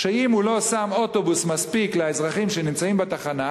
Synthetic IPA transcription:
ʃeimhulo̞samo̞t̪o̞busmaspikleaezʁaχimʃenimt͡saimbet̪aχana

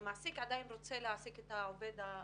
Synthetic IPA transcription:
masikad̪ajnrut͡selaːsiket̪aoβed̪a

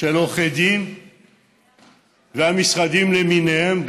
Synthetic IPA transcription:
eloχed̪im | veamisʁad̪imleminehemb

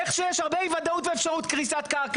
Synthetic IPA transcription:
eχʃejeʃhaʁbejvad̪aut̪veːfʃaʁut̪kʁisat̪kak

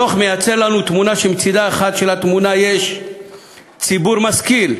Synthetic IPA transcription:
oχmejat͡seʁlanut̪munaʃemt͡sid̪aeχat̪ʃelat̪munajeʃ | t͡sibuʁmaskil

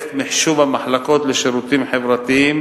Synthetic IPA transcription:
t̪mɪħʃuːbamaħlaqoːt̪lɪʃʊɾuːt̪iːmħɪvɾˤat̪jiːm

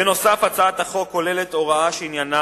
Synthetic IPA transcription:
eno̞safat͡saat̪aχo̞kːo̞le̞le̞t̪o̞ʁaaʃeinjana

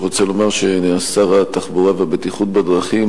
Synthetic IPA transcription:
ʁo̞t͡selo̞maʁʃeneasaʁat̪aχbuʁaveabet̪iχut̪̚bad̪ʁaχim

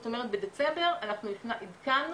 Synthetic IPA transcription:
ot̪o̞meʁet̪bed̪et͡sembe̞ʁanaχnuifnaʔid̪kan

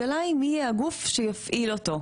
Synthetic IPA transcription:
alaimijɛaɡufʃejafʔilot̪o̞

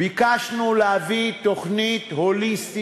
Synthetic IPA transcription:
bikaʃnuleavit̪oχnit̪holist̪

